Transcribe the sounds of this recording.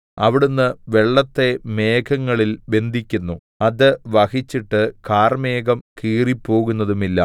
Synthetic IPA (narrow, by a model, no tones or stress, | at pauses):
ɐ̰ʋiɽunːɨʋe̞ɭːɐt̪ːe̞me̞ːkʰɐŋːɐɭilbe̞nd̪ʱikʲːunːu | ɐðɨʋɐhit͡ɕːiʈːɨkaːrmeːkɐmkiːripːo̞ːɣunːɐðumilːɐ̰